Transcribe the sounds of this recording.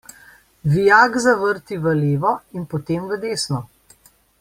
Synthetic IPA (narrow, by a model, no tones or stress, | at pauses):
ʋijaːɡzaʋəɾt̪iʋəleːʋɔinpɔt̪eːmʋəd̪eːsnɔ